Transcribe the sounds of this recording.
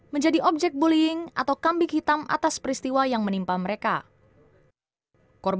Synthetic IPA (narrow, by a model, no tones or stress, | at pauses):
məɲd͡ʒadiʔɔp̚d͡ʒɛk̪̚buliɪŋʔa̰t̪awkambɪkhit̪amʔa̰t̪aspəɾist̪iwajaŋmənimpaməɾeka | kɔrb